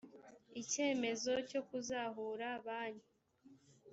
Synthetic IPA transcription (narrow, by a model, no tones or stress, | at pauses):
ice̞ːme̞zo̞co̞kuzaɦuːɾaβaːɲu